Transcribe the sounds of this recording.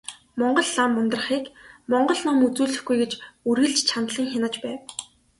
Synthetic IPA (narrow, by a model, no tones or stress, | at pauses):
mɔɴɢɞ̆ɮːamːʊnt̪rə̆χiːkmɔɴɢɞ̆ɮnɔmut͡suːɮɘ̆xɡujɡet͡ɕuɾɣɘ̆ɮt͡ɕt͡ɕʰant̪ɮə̆ŋxanə̆t͡ɕpæːw